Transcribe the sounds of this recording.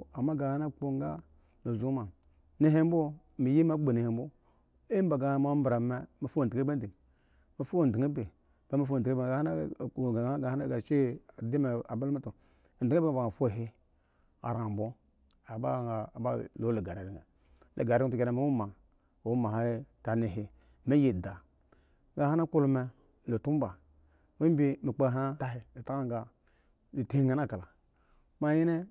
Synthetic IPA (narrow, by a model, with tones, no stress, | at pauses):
a˨ma˦ɡa˨ha˦na˦˨k͡po˦ŋ˦ɡa˦ | mi˨zu˦ma˨ | ni˦ɦe˦m˦bo˦ | mi˨ji˦ma˦be˨ne˨he˨mbo˦ | e˦m˦ba˨ɡa˨˦m˦a˦m˦bɾa˨me˦mi˨fu˦˨di˨ɡe˦be˦di˨ | mi˨fu˦o˦˨di˨ŋe˦be˨ | ba˦mi˦˨f̩˦˨˦be˨a˨hna˦˨ɡa˨˦ɡa˨ha˦ɡa˨t͡ʃe˦˨di˦me˨a̰˨ba˦lma˦tu˨ | di˨ŋ˦be˦a˨ba˨ŋa˨fʷo˦˨ɦi˦ | a̰˨ɾa˨m˨bo˦ | a˨ba˦˨ŋa˨ba̰˦lo˨˦le˨ɡa˨ɾe˨ɾi˨ŋe˨ | lʔḛ˨ɡa˨ɾu˨ke˨na˨me˦wu˦ma˨ | wu˦ma˨ɦa˦ta˨ne˨ɦi˨ | me˦je˨da˨˦ | ɡa˨ha˦na˦ku˦lu˦me˨ | lo˨tu˦m˦ba˨ | mi˦m˦bi˦mi˨k͡pe˦˨ɦa˦ta˦ɦi˨le˨ta˦ka˦ŋ˦ɡa˨ | li˨te˦ŋa˨na˦˨ka˨la˨ | ma˦ji˦ne˦